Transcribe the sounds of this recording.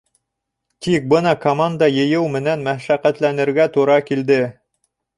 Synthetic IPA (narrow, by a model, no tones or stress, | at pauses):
t̪ik̚bɤnɑkomand̪ɑjɤ̆jɤwmɘ̆nænmæʃæqæt̪lænɘ̆ɾɡæt̪uɾɑkild̪ɘ